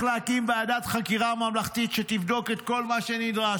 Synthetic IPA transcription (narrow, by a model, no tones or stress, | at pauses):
leakimbead̪at̪χakiʁamamlaχt̪it̪ʃet̪ivd̪o̞ket̪ko̞lmaʃe̞nid̪ʁa